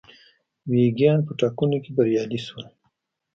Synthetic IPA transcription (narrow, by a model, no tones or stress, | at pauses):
weɡijɑnpəʈɑkunokebaɾjɑliswəl